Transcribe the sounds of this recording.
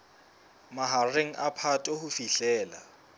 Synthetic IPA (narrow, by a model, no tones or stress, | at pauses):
maɦareŋ̩ʔapʰatʼohufiɬɛːla̰